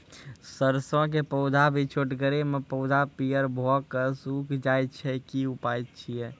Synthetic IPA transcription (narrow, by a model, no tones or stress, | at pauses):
səɾsõk̬epəʊd̪ʱabʱit͡ʃʰoʈɡəɾemepəʊd̪ʱapijəɾbʱɔkəsukʰd͡ʒajt̪t͡ʃʰɛkiupajt̪t͡ʃʰijɛ